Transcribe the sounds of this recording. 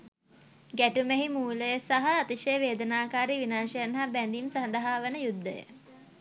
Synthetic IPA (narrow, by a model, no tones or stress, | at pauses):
ɡæʈumeɦimuːləjəsaɦɐat̪iʃəjəʋeːd̪ənaːkaːɾiʋinaːʃəjanɦabænd̪imsand̪aɦaːʋənəjud̪ːəjə̰